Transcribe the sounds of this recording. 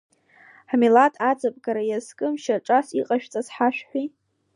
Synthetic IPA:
ħmilatʼad͡zapʼɡaɾajazkʼɨmʃaʈ͡ʂʼasiqʼaʃᶣt͡sʼazħaʃᶣħʷi

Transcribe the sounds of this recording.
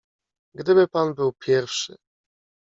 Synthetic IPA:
ɡd̪ɘbɘpanbɘwpʲjɛɾfʂɘ̰

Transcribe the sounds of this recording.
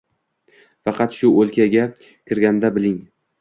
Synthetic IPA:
fɑqɑt̪ʃʊolkʲʰaɡʲa | kʲʰɪɾɡʲand̪abɪlɪŋ

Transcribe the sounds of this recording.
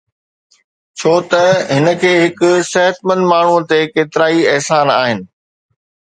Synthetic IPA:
t͡ɕʰoːt̪ɐɦɪnə̆kʰeːɦɪkʊsɛɦət̪mə̃nd̪maːɳ̤ũt̪ekeːt̪ɪɾaːiɛɦsaːnaːɦɪnɪ̆

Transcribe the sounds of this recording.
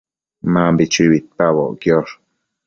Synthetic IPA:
maːmbit͡ʃiβit̪̚paβo̰ʔkjoɾ

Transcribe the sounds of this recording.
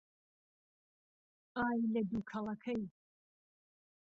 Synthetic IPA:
aːjlɐd̪ukʰɐlˠɐkʰɐj

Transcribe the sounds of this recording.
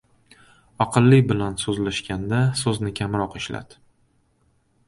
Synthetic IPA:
ɒqʰɨlˠːɪbɪlansɵzlaʃkʲand̪asɵznɪkʲʰamɾɒqɪʃla̰d̪̥

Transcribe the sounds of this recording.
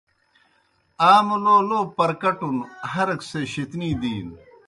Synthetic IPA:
aːmoloːloːpɐɾkɐʈunhɐɾɐkseɕet̪niːd̪iːn

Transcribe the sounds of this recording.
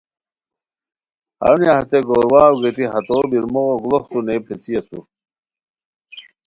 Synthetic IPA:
ɐ̰wnijaht̪eɡoːɾwaːwɡet̪iɦɐt̪oːbiɾmoɣoɡloxt̪uneːpʰet͡sijɐt̪ṵ

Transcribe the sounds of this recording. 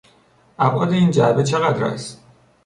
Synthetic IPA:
ʔæbʔɒːd̪e̞iːnd͡ʒæbe̞t͡ʃʰe̞ɣæd̪ɾɒ̰ːst̪

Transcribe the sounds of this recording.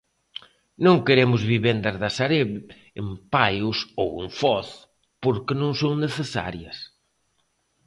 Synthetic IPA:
nõŋkeɾemʊzβiβend̪ɐzðɐsaɾeβ | empajʊsoweɱfɔθ | poɾkɪnõŋsõwneθesa̰ɾjɐs

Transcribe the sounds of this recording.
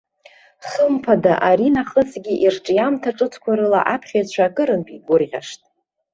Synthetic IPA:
χəmpʰadaʔaɾinaχəsɡʲiʔirʈ͡ʂʼjamtʰaʈ͡ʂʼɨt͡sʰkʷʰaɾɨla̰ʔapʰχʲajt͡ɕʷʰakʼɨɾɨnpʼiɡʷʊrʁʲa̰ʂtʼ

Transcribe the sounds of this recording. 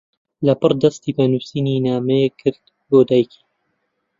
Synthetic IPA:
lɐpɨrˤd̪ɐst̪iːbɐnusininaːmɐekʰːɨɾt̪ | boːd̪aːjkʰi̥

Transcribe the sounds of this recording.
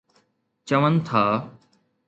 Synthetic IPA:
t͡ʃəʋənt̪ʰaː

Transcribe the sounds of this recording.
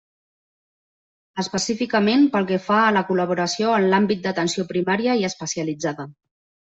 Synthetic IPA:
əspəsifikəmenpəlˠkɛfaːləkuləβ̞uɾəsioənlambit̪̚d̪ət̪ənsiopɾimaɾiəiəspəsiəlid͡zaðə

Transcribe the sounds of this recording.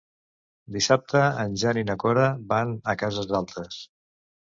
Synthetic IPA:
d̪isap̚t̪əːnʲʒaninəkɔɾəbanəkazəzðalˠt̪ɾəs

